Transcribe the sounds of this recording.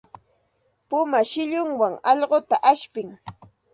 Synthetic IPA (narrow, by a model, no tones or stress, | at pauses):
pʊmaʃɪʎʊŋwaŋɑʎɢot̪aʔaʃpɪŋ